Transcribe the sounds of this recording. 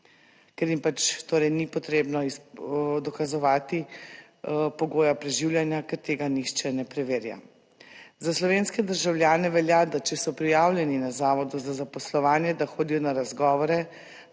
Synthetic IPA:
kɛɾjimpat͡ʃt̪oːɾɛjnipɔt̪ɾeːbnɔisd̪ɔkazɔʋaːt̪i | pɔɡoːjapɾɛʒiwlʲjanjakɛɾt̪eːɡaniʃt͡ʃɛnɛpɾɛʋeːɾja̰ | zaslɔʋeːnskɛd̪əɾʒawlʲjaːnɛʋɛljad̪at͡ʃɛsɔpɾijaːwlʲjɛninazaːʋɔd̪uzazapɔslɔʋaːnjɛd̪axoːd̪ijɔnaɾazɡɔːʋɔɾɛ

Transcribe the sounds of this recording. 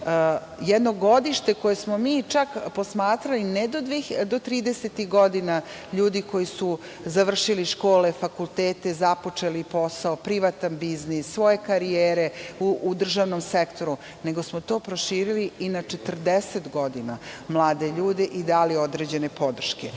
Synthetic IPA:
jɛd̪no̞ɡo̞d̪iʃt̪eko̞jesmo̞miːt͡ʃakposmaːt̪ɾalined̪od̪ʋid̪o̞t̪ɾiːd̪eset̪iɣɡo̞d̪ina | ʎuːd̪iko̞jisu | zaʋr̩ʃiliʃko̞ːle̞fakult̪eːt̪ezapo̞t͡ʃelipo̞saopɾiʋat̪anbiznisːʋo̞je̞kaɾieːɾe̞uʔːd̪r̩ʒaːʋno̞msekt̪o̞ɾu | ne̞ɡo̞smot̪o̞ːpɾoʃiːɾiliinat͡ʃet̪r̩d̪eset̪ɡo̞d̪inamlˠaːd̪e̞ʎuːd̪e̞ʔid̪aːlio̞d̪ɾeːd͡ʑe̞nepo̞d̪r̩ʃke

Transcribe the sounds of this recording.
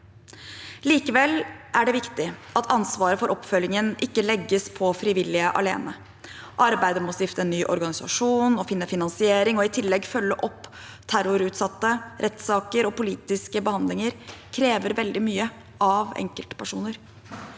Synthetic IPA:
liːkəʋɛlʔæɖɛʋɪkt̪ɪʔɑt̪ʰɑnsʋɑːɾəfɔɾʔɔpːfœlːɪŋənʔɪkːəlɛɡːəspʰɔfɾɪʋɪlːɪəʔɑ̰lḛːnə | ʔɑɾbæɪd̪əmɔst̪ɪft̪əɛnːyːʔɔɾɡɑnɪsɑ̰ʂuːnɔfɪnːəfɪnɑnsɪeːɾɪŋɔɪt̪ʰɪlːɛɡfœlːəʔɔpː | t̪ʰæɾʊɾʉːt̪sɑt̪ːəɾʔɛt̪sɑːkəɾɔpʊliːt̪ɪskəbəhɑnd̪lɪŋəɾkʰɾeːʋəɾʋɛld̪ɪmyːə | ɑʋɛ̰ŋkəlt̪ə̥pæʂṵːnəɾ

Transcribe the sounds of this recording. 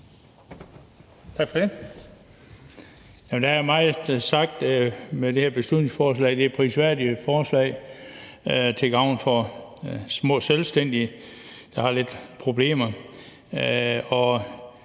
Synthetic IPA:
t͡sʰɑ̈ɡ̥fɒ̽d̥e̝ | jæmnd̥ææmɑ̈ɪð̩ˠsɑ̈ɡ̥̚d̥med̥e̝hæɐb̥e̝sl̥ud̥ˠne̝ŋsfɒːs̬lɛ̰ɪd̥e̝æpʰʁisʋæɐ̰diəfɒːslɛ̰ɪ | t͡sʰe̝ɡ̥ɑ̈ʊ̰nfɒ̽ | smɔ̰̽ːselsd̥en̰d̥i | d̥ɑ̈hɑ̈le̝d̥pʰʁo̝b̥le̝̰ːmɐ | ɒ̽

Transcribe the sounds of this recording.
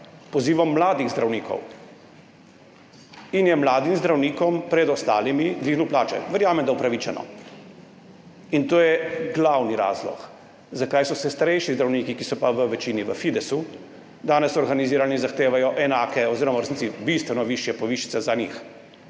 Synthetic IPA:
pɔziːʋɔmːlaːd̪iɣzd̪ɾʔawniːkɔ̰w | injɛmlaːd̪imzd̪ɾawniːkɔmpɾɛd̪ɔst̪a̰ːlimid̪ʋiːɣnuwplaːt͡ʃɛ̰ʋɛɾjaːmɛmd̪aupɾaʋiːt͡ʃɛnɔ̰ | int̪oːjɛɡlawniɾa̰ːzlɔ̰k | zakaːjsɔsɛst̪aɾɛjʃizd̪ɾawniːkikisɔpaʋəʋɛt͡ʃiːniʋəfid̪ɛsu | d̪aːnɛsɔɾɡaniziːɾalnizaxt̪eːʋajɔʔɛnaːkɛɔziːɾɔmaɾsnitt͡s̪ibist̪ʋɛnɔʋiʃjɛpɔʋiːʃi̥sɛzanḭːx

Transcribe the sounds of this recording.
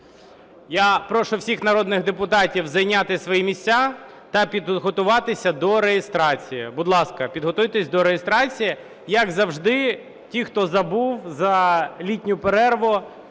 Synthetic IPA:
japɾɔʃʊwsʲixnɐɾɔd̪nɪɣd̪epʊt̪ɑtʲiwzɐjnʲat̪ɪsʋɔjimʲisʲt͡sʲa | t̪ɐpʲid̪ɦɔt̪ʊʋɑt̪ɪsʲɐd̪ɔɾejest̪ɾɑt͡sʲijibʊd̪lˠɑskɐpʲid̪ɦɔt̪ujt̪esʲd̪ɔɾejest̪ɾɑt͡sʲiji | jɐɡzɐwʒd̪ɪ | tʲixt̪ɔzɐbuwzɐlʲitʲnʲʊpeɾɛrʋʊ

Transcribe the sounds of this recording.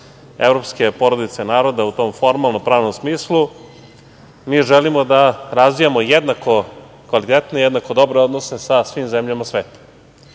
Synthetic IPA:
evɾo̞pske̞po̞ɾod̪it̪senaːɾo̞d̪aut̪o̞mfo̞ɾmalˠnopɾaːʋno̞msmiːslˠu | miːʒelimo̞d̪aɾazʋijamo̞jed̪nako̞ | kʋalit̪et̪nejed̪nako̞d̪o̞bɾeo̞d̪no̞sesasʋiːmzemʎamasʋe̞ːt̪ḁ

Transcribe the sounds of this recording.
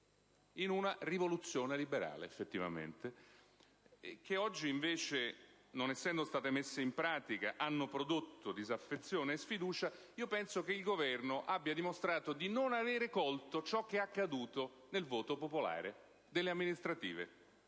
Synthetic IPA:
inunarivolut̪sːjoːnelibeɾa̰ːlḛːfːet̪ːiva̰mḛnt̪e | k̟eɔd͡ʒːiːɱveːt͡ʃenonɛsːɛnd̪ost̪aːt̪emesːeimpɾaːt̪ika̰ʔanːopɾod̪ot̪ːod̪izafːet̪sːjoːneːsfid̪uːt͡ʃa | iːopɛnsok̟eilɡovɛrnoʔabːjad̪imost̪ɾaːt̪od̪inonaveːɾekɔlt̪ot͡ʃɔk̟ːeakːad̪uːt̪o | nelvoːt̪opopola̰ːɾe | d̪elːeamːinist̪ɾat̪ḭːvḛ

